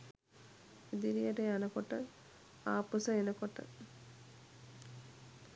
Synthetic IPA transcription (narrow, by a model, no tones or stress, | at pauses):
ed̪iɾijəʈəjanəkoʈə | aːpusəenəkoʈə̰